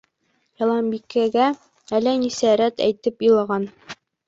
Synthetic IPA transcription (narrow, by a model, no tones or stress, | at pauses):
jɑlˠɑmbikːæɡæ | ælænisæɾæt̪æ̰jt̪ɘpjɤlˠɑʁɑn